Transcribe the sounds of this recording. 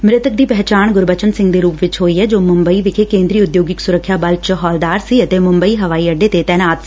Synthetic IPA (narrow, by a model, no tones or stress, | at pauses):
mɾɪt̪ək̚d̪iːpɛɦːt͡ʃaːnɡʊɾbət͡ʃənsɪ̃ŋɡd̪eːɾuːpʋɪt͡ʃɦoːiːɦɛːd͡ʒoːmʊ̃mbəiːʋɪkʰeːkẽːnd̪ɾiːʊd̪joːɡɪksʊɾəkʰːjaːbəlt͡ʃɦɔːld̪aːɾsiːət̪eːmʊ̃mbəiːɦəʋaːiːəɖːeːt̪et̪ɛːnaːt̪s